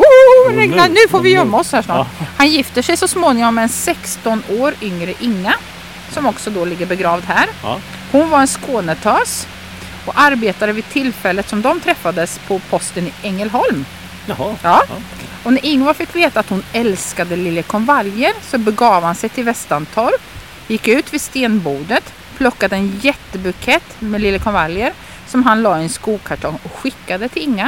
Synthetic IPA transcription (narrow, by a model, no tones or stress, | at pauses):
ɛanʉ̟ːfoːvɪjœmːaɔshæːʂnɑ̰ːhanjɪft̪əʂɛjsɔsmoːnɪŋɔmːɛɛnsɛkst̪ɔnoːɾʏŋɾəʔɪŋːa | sɔmɔksɔd̪oːlɪɡːəɾbɛɡɾɑːvd̪ɦæːɾ | hʊnvaɾɛnskoːnət̪ʰɑːs | ɔaɾbeːt̪aɾəvɪd̪̚t̪ʰɪlfɛlːət̪sɔmd̪ɔmt̪ʰɾɛfːad̪əspʰɔpʰɔst̪ənɪɛŋːəlɦɔlm | ɑː | ɔnæɾɪŋːʊafɪkːveːt̪aːt̪hʊnɛlskad̪əlɪlːəkʰɔnvaljəɾsɔbɛɡɑːvhansɛjt̪ʰɪlvɛst̪ant̪ʰɔɾ | jɪkːʉ̟ːt̪vɪst̪eːnbuːd̪ət̪ | pʰlɔkːad̪əɛnjɛt̪ːəbʉkʰɛt̪ːmɛlɪlːəkʰɔnvaljəɾ | sɔmɦanlɑːɪɛnskuːɡkʰaʈʰɔŋɔɧɪkːad̪ət̪ʰɪɪŋːa